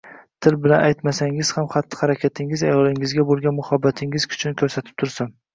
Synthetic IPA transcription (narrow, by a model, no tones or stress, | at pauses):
t̪ʰɪlbɪlanʔajt̪masaŋɪz̥hamχat̪ːɪ̥haɾakʲʰat̪ʰɪŋɪzajɒlɪŋɪzɡʲabolˠɡʲanmʊhabːat̪ʰɪŋɪzkʰʊ̥t͡ʃʰʊnkʰʲɵɾsat̪ʰɪ̥p̚t̪ʰʊɾsam